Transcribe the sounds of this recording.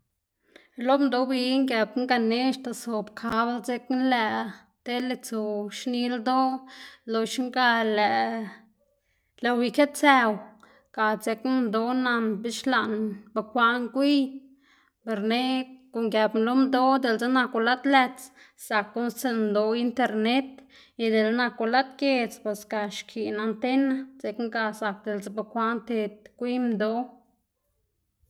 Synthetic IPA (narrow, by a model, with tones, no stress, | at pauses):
lo˦md̪o˧bi˧ŋɡje˨bŋɡa˧ne˦ʃt̪a˧˨so˨bkʰa˧˦blt͡se˧knlɛ˧˨ | t̪e˦le˧t͡su˧˨ʃni˧ld̪o˦lo˧ʃŋɡa˧lɛ˨ʔ | le˧wi˧ke˦t̪̚t͡se˧w | ka˨t͡se˧kd̪o˦na˧nbi˦ʃla˧ʔnba˧kʷa˧ʔŋkʷi˦j | pe˧ɾne˦ko˨ŋɡja˧bmlo˦md̪o˦d̪e˧lt͡se˦na˧ko˧la˦t̪læ˧t͡s | sa˨kːo˦nst͡se˧d̪o˧i˧nt̪e˧ɾne˦t̪ | i˧d̪e˨lna˧ko˧la˦t̪ke˧t͡spe˨ska˧ʃkʰi˨na˧nt̪e˦na˦t͡se˧kŋɡa˧sa˨k̚d̪e˨lt͡se˦ba˧kʷa˦nt̪e˧t̪̚kʷi˦md̪o˦